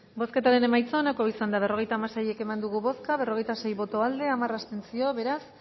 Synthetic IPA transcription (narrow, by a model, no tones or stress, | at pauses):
bo̞sket̪aɾene̞majt͡sonako̞isand̪aβ̞e̞ro̞ɣ̞e̞jt̪aːmasaje̞ke̞mand̪uɣuβo̞skaβe̞ro̞ɣ̞e̞jt̪ase̞jβo̞t̪o̞ald̪e̞amarast̪e̞nt͡sio̞βe̞ɾas